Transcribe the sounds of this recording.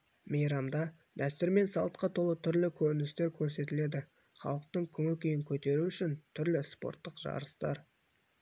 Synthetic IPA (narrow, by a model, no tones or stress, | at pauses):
mejɾɑmd̪ɑ | d̪æst̪ʏɾme̞nsɑlˠət̪̚qɑt̪ʰolˠət̪ʰʏɾlɪkʲʰɵɾɪnɪst̪e̞ɾkʲʰɵɾse̞t̪ɪle̞d̪ɪ | χɑ̰lˠəq̚t̪əɴkʲʰʏŋɪlkʲʰejɪŋkʲʰɵt̪e̞ɾuʏʃɪnt̪ʰʏɾlɪspo̞̰ɾt̪ːəqʒɑ̰ɾəst̪ɑ̰ɾ